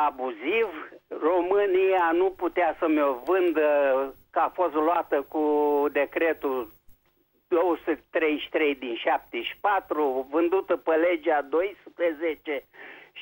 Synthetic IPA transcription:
abuzivro̞mɨnijanuput̪easəmeovɨnd̪əkəafo̞st̪loat̪əkud̪e̞kɾe̞t̪ul | d̪̥owəsɨt̪ʲt̪ɾe̞jʃt̪ɾe̞jd̪inʃap̚t̪eʃʲi̥pat̪ɾuvɨnd̪ut̪əpəle̞d͡ʒad̪o̞jspɾəzet͡ʃe̞

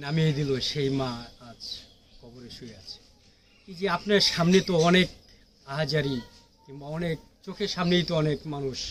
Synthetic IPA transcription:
namied̪iloʃejmãad͡ʑ | kʰɔboɾeʃueat͡ɕʰe̥ | id͡ʑiapnaɾʃamnet̪oɔnek̚ | aɦad͡ʑaɾi | kiŋbaɔnek̚t͡ɕokʰeɾʃamnejt̪oɔnekmanuʃ

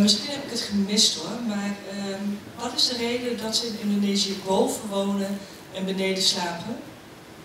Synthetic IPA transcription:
mɪsχinɦɛpɪkətχəmɪstʊmaːrə | ʋɑtɪzdərejdədɑtsəɪnɪndoneːziəbowvənʋownən | ɛnbənejdəslaːpən

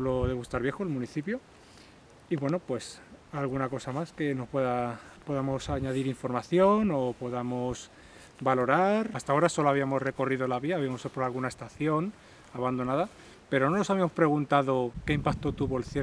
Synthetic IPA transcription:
loðe̞ɣust̪aɾβje̞xoelmũniθipjo | iβwe̞no̞pwe̞salɣunako̞samaske̞no̞spwe̞ðapo̞ðamo̞saɲaðiɾiɱfo̞ɾmaθjo̞nopo̞ðamos | balo̞ɾaɾast̪ao̞ɾaso̞loaβiamo̞sre̞ko̞riðo̞laβiaːβiamo̞sepoɾalɣunaest̪aθjo̞n | aβand̪o̞naða | pe̞ɾo̞no̞nosaβiamo̞spɾe̞ɣunt̪aðoke̞impak̚t̪ot̪uβoelθje

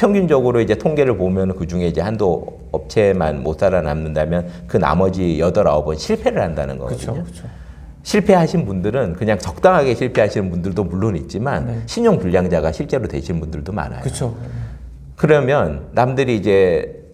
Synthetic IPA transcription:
pʰjʌŋɡind͡ʑʌɡɯɾoid͡ʑe̞tʰoŋɡe̞ɾɯɭpomjʌnɯnkɯd͡ʑuŋe̞id͡ʑe̞hando | ʌp̚t͡ɕʰe̞ma̰nmos͈ʰaɾana̰mnɯndamjʌnkɯna̰mʌd͡ʑijʌdʌɾa̰obʌnɕʰiɭpʰe̞ɾɯɭhandanɯnɡʌ̰kɯdɲo | ɕʰiɭpʰe̞ɦaɕʰinbundɯɾɯnkɯɲaŋt͡ɕʌk̚t͈aŋɦaɡe̞ɕʰiɭpʰe̞ɦaɕʰinɯnbundɯɭdomuɭːonit̚t͡ɕ͈imanɕʰiɲoŋpuʎːjaŋd͡ʑaɡaɕʰiɭt͡ɕ͈e̞ɾotwe̞ɕʰinmbundɯɭdoma̰na̰jɯoo | kɯɾʌmjʌnːamdɯɾiːd͡ʑe̞

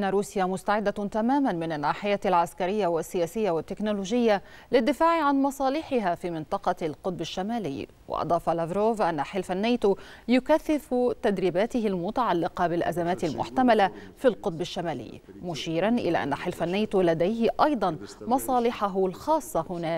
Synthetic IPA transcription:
ʔɪnːaɾuːsjamʊst̪aʕɪd̪ːat̪amaːmanmɪnanːaːħɪjaːlʕaskaɾɪjːawɪsːɪjaːsɪjːawɪt̪ːɪknʊloːʒɪjːa | lɪd̪ːɪfaːʕʕanmɑsˤɑːlɪħɪɦafiːmɪnt̪ˤɑqɑlqʊt̪̚ˤbaʃːamaːlɪ̰jː | wɪ̰ʔɑ̰d̪ˤɑːfɑlavɾoːvʔanːaħɪlfanːaːt̪uːjʊkaθːɪft̪ad̪ɾiːbaːt̪ɪɦɪlmʊt̪aʕalːɪqɑbɪlʔa̰zamaːt̪ɪlmʔʊ̰ħt̪amalafilqʊt̪̚ˤbaʃːamaːlɪ̰jːmʊʃiːɾanʔɪ̰la̰ʔa̰nːaħɪlfanːaːt̪uːlad̪ajɦɪʔɑjd̪ˤɑnmɑsˤɑːlɪħaɦlxɑːsˤːɑhʊnaː

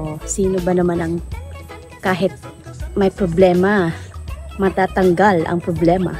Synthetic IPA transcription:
osiːnobɐnɐmanɐŋ | kaːɦɪt̪̚mɐjpɾoblɛːmɐ | mɐt̪aːt̪ɐŋɡalɐ̰ŋpɾoblɛːmɐ̰

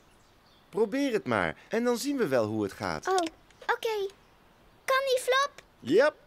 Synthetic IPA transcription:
probɪːrɦətma̰ːɹʔɛndɑnzinʋəʋɛlˠɦuətχa̰ːtow | okej | kɑniflɔp | jəp̚

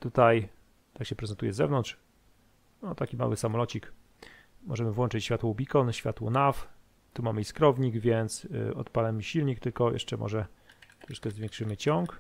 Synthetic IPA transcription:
t̪ut̪aj | t̪akɕɛpɾɛzɛnt̪ujɛzɛ̰vnɔnt̪ʂ | nɔt̪akʲima̰wɘsamɔlɔt͡ɕik | mɔʐɛmɘvwɔnt͡ʂɪt͡ɕɕfʲat̪wɔubʲikɔnɕfʲja̰t̪wɔnaf | t̪umamɘiskɾɔvɲiɡvʲjɛnt̪sɔ̰t̪palɛmɘɕilɲik̚t̪ɘlkɔjɛ̰ʂt͡ʂɛmʔɔ̰ʐɛt̪ɔʂɛ̥t͡ʂkɛzvʲjɛ̃ŋkʂɘmɘt͡ɕɔŋk

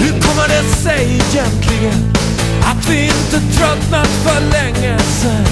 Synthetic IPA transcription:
hʉɾkʰɔmːəɖɛnsɛjɪjɛnt̪ʰlɪɡən | at̪vɪɪnt̪ət̪ʰɾœt̪natfœɭɛŋːəsɛ

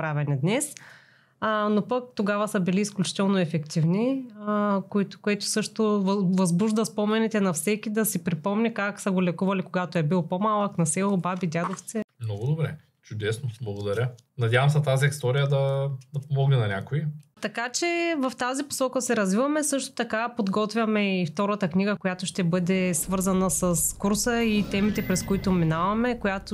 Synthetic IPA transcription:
pɾavɛnid̪nɛs | nopɐk̚t̪oɡavɐsɐbiliːsklʲut͡ʃi̥t̪ɛlˠnoɛfɛkt̪ivni | koit̪ʊ̥koɛt̪ʊ̥sɤʃt̪ovvɐzbuʒd̪ɐspɔmɛnɛt̪ɛnɐfsɛkid̪ɐsipɾipɔmnʲikaksɐɡolɛkuvɐlikoɡat̪oɛbilˠpomalˠəknɐsɛlˠobabid̪ʲjad̪oft̪sɛmnɔɡʊd̪obɾɛ̰ | t͡ʃʊd̪ɛsnoblˠɐɡod̪ɐɾʲə | nɐdʲjavɐmsɛt̪aziist̪ɔɾijəd̪ɐd̪ɐpomɔɡnɛnɐnʲakoit̪ɐkat͡ʃɛvɐft̪azipo̥sɔkəsɛɾɐzvivɐmɛsɤʃt̪o̥t̪ɐkapod̪ɡɔt̪vʲjɐmɛift̪ɔɾət̪əkniɡəkojat̪ʊʃt̪ɛbɤd̪ɛsvɤɾzɐnɐsɐskuɾsəit̪ɛmit̪ɛpɾɛskoit̪ominavɐmɛkojat̪o

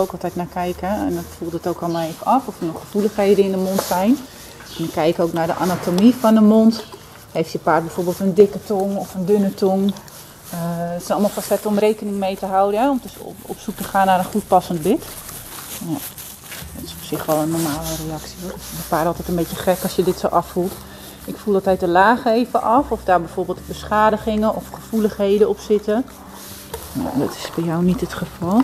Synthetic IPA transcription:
owkɔlˠtɛtnakɛjkɛɛ̰ndɔtfulˠtətokɔlˠmalˠejfəʔɔfɔfənɔχːəfuləxheːdəɪndəmontsɛjn | ɛndɔnkɛjkoːknardəʔanatomifɔndəmont | hejftjəpaːrbɛjfoːɹbeːlˠtəndɪkətoŋɔfəndønətʰɔŋ | sɛnɔlˠmalˠfasɛtəɔmrejkənɪŋmejtəɦawdənɛɔmdsɔ̰psuk̚təχaːnːaɾənχut̚pasəntbɪt | ja | dɔtɪsɔpsɪχʋɛlˠənːɔrmaːləreɑksiobəpaːtɑlˠtɛtənbejəχɛkɔsjədɪtsowʔɑfulˠt | ɪkfulˠdɔtɛɥtəlaːχəeːvəʔɑfɔfdaːɹbɛjfoːrbeːlˠtbəsχaːdəχɪŋənʔɔfχəfuləχhejdəɔpsɪtə | a̰dɔ̰tɪ̥sbɛjawnitətχəfɑlˠ

